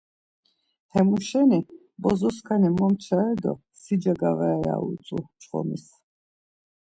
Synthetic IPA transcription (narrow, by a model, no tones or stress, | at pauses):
hɛmuʃɛni | bɔzɔskʰanimɔmt͡ʃʰaɛd̪ɔ̰ | sid͡ʒaɡavɛja̰ṵt͡s̪ʼut͡ʃʰʼχɔ̰mis